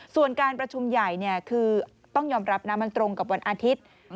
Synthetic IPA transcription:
su˨˩ənkaː˧npɾa˧t͡ɕʰu˧mja˨˩jni˥˩əkʰɯː˧ | t̪ɔ˥˩ŋjɔː˧mɾa˦˥p̚naː˦˥mːa˧nt̪ɾo˧ŋka˨˩p̬̚wa˧nʔaː˧t̪ʰi˦˥t̪̚

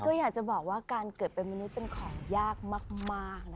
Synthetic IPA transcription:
kɔ˥˩jaː˨˩k̚t͡ɕa˨˩bɔː˨˩k̚waː˥˩kaː˧nkɤː˨˩t̪̚pe˧nma˧nu˦˥t̪̚pe˧nkʰɔː˩˦ŋjaː˥˩k̚maː˥˩k̚maː˥˩k̚na˦˥

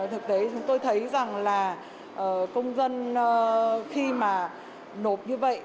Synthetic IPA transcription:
t̪ʰɨ˨˩k̚t̪e˨˦t͡ɕʊ˨˦ŋ͡mt̪o˧jt̪ʰə˨˦jza˨˩ŋlaː˨˩ | ʔəː˨˩kə˧wŋ͡mzə˧n˧ | xi˧maː˨˩ | no˨˩p̚ɲɨ˧və̰˧˨jʔ

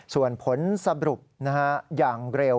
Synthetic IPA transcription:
su˨˩ənpʰo˩˦nsa˧ɾu˨˩p̚na˦˥ka˦˥jaː˨˩ŋɾe˧w

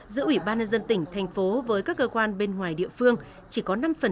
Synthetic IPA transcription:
zɨ̰˧˥əʔwi˧˩ɓaː˧nɲə˧nzə˧nt̪ï˧˩ŋ̟t̪ʰa˨˩jŋ̟fo˨˦vəː˨˦jkaː˦˥kːəː˧kwaː˧nɓe˧nŋwaː˨˩jɗḭ˧˨əfɨ˧əŋ | t͡ɕi˧˩kɔ˨˦na˧mfə˨˩

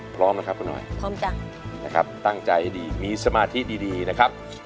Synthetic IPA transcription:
pʰɾɔː˦˥mna˦˥kʰa˦˥p̚ku˧nːʔɔ̰˨˩jpʰɔː˦˥mt͡ɕa˧ŋ | na˦˥kʰa˦˥p̚t̪a˥˩ŋt͡ɕa˧jdiː˨˧miː˧sa˧maː˧t̪ʰi˦˥diː˧diː˧na˦˥kʰa˦˥p̚

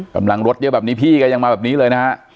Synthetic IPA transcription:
ka̰˧mla˧ŋɾo˦˥t̪̚jɤ˦˥bɛː˨˩p̚niː˦˥pʰiː˥˩ka˧ja˧ŋmaː˧bɛː˨˩niː˦˥lɤː˧jna˦ha˦˥ʔ

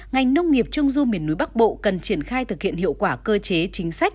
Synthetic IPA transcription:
ŋa˨˩jŋ̟nə˧wŋ͡mŋi˨˩əp̚t͡ɕʊ˧ŋ͡mzu˧mi˨˩ənːu˨˦jɓa˦˥k̚ɓo̰˧˨kə˨˩nt͡ɕi˧˩ənxaː˧jt̪ʰɨ˨˩k̚hḭ˧˨ənhḭ˧˨əwkwaː˧˩kəː˧t͡ɕe˨˦t͡ɕï˨˦ŋ̟sa˦˥jk̟̚

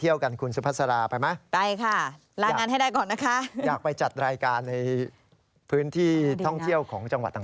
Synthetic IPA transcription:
t̪ʰi˥˩əwka˧nkʰu˧nsu˧˦pʰa˦˥˩sa˧ɾaː˧pa˧jma˦˥pa˧jkʰa˥˩ | ɾaː˧˨ŋaː˧nɦa˥˩jdaː˥˩jkɔː˨˩nːa˦˥kʰa˦˥ʔjaː˨˩k̚pa˧jt͡ɕa˨˩t̪̚ɾaː˧jkaː˧nːa˧j | pʰɯː˦˥nt̪ʰiː˥˩t̪ʰɔ˥˩ŋtʰi˥˩əwkʰɔː˩˦ŋt͡ɕa˧ŋa̰˨˩t̪̚ʰːa˨˩

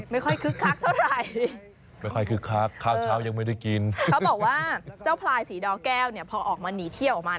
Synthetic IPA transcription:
ma˥˩jkʰɔ˥˩jkʰɯ˦˥kʰa˦˥k̚t̪ʰa˥˩wɾa˥˩j | ma˥˩jkʰɔ˥˩jkʰɯ˦˥kʰːa˦˥kʰːaː˥˩wʰaː˦˥wja˧ŋma˥˩jda˥˩jki˧nkʰa˦˥wbɔː˨˩k̚waː˥˩t͡ɕaː˥˩wpʰlaː˧jsiː˨˩˦dɔː˧˥kɛː˥˩wni˥˩ɐpʰɔː˧ʔɔː˨˩k̚maː˧niː˩˦t̪ʰi˥˩wʔɔː˨˩maː˧

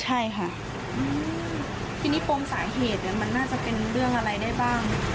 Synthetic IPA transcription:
t͡ɕʰa˥˩jkʰa˥˩ | ʔɯː˧ | t̪ʰiː˧niː˦˥˩pʰo˧msaː˩˦jɦeː˨˩t̪̚ni˧˥˩ma˧nːaː˥˩t͡ɕa˨˩pe˧nɾɯ˥˩əŋʔa˧ɾa˧jda˥˩jbaː˥˩ŋ

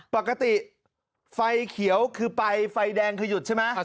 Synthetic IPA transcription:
pa˨˩kːa˧t̪i˨˩ | fa˧jkʰi˨˩˦əwkʰɯː˧pa˧jfa˧jdɛː˧ŋkʰa˧ju˨˩t̪̚t͡ɕʰa˥˩jma˦˥

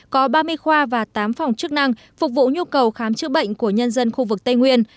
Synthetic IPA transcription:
kɔ˨˦ɓaː˧mɨ˧əjxwaː˧vaː˨˩t̪aː˨˦mfa˨˩wŋ͡mt͡ɕɨ˦˥k̚na˧ŋ | fʊ˨˩k͡p̚vṵ˧˨ɲu˧kə˨˩wxaː˨˦mt͡ɕɨ̰˧˥ɓə̰˧˨jŋ̟ku˧˩əɲə˧nzə˧nxu˧vɨ˨˩k̚t̪ə˧jŋwi˧ən

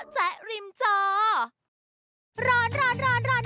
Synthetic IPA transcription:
t͡sɛ˨˩ʔɾi˧mt͡ɕɔː˧ | ɾɔː˦˥nɾɔː˧˥nɾɔː˦˥nɾɔː˧˥n

